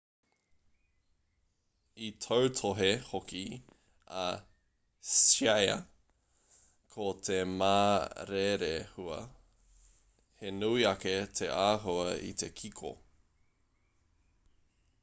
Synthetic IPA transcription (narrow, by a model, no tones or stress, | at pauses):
it̪ʰowtʰoɦehoki | ɐ | sajɐ̰ | kʰot̪ʰemaːɾeɾehuɐ̰ | henuiɐket̪ʰeʔaːɦoɐḭt̪ʰekʰikʰo̰